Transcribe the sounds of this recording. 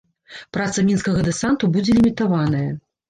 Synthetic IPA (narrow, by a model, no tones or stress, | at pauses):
pɾat̪sɐmʲinskɐɣɐd̪ɛsant̪ubud͡zʲɛlʲimʲit̪avanɐjɐ